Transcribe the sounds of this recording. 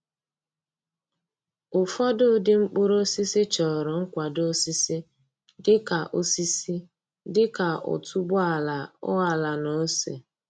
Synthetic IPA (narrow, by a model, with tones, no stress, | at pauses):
ʊ˨fɔ˦dʊ˦˨dɪ˦ŋ͡m̩˦k͡pʊ˦ɾo˦si˦sɪ˦t͡ʃɔ˨ɾʊ˨ŋ̩˦kʷa˨do˦si˦si˦ | dɪ˦ka˨ʔo˦si˦si˦ | dɪ˦ka˨ʊ̰˨tu˦bʊ˦a˦˨la˨ʊ˦a˨la˨no˨˦sḛ˨